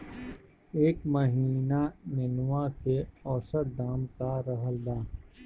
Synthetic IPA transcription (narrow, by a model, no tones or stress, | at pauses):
eːkməɦiːnanenwakeɔːsəɾd̪aːmkaɾɐɦəld̪aː